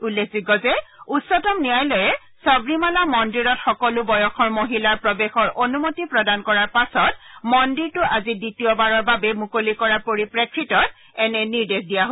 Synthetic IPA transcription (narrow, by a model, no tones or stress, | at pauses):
ulːekʰziɡɔzɛutsɔtɔmnijajlɔjɛ | sɔbɹimalamɔndiɹɔtxɔkɔlʊbɔjɔxʰɔɹmoɦilaɹpɹɔbexɔɹʔonumotipɹɔdankɔɹaɹpasɔtmɔndiɹtʊʔaziditijɔbaɹɔɹbabɛmukolikɔɹaɹpoɹipɹekʰɹitɔt̚ | ɛnɛniɹdexdijaɦ